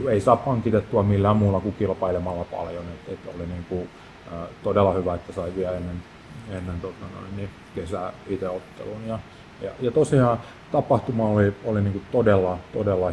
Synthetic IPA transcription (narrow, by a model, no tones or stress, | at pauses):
eisɑːppɑŋkit̪et̪ːuɑmilːæːmmuːlːɑkukilpɑilemɑlːɑpɑ̰ljonet̪et̪o̰liniːŋku | øːt̪odelːˑɑhyʋæet̪ːæsɑiʋiæenːen | enːent̪ot̪ːɑno̰inːi | kesæit̪eot̪ːḛlunjɑ | jɑ̰jɑt̪osiɑ̃ː | t̪ɑpɑht̪umɑːolioliniːŋkut̪odelːɑt̪odelːɑ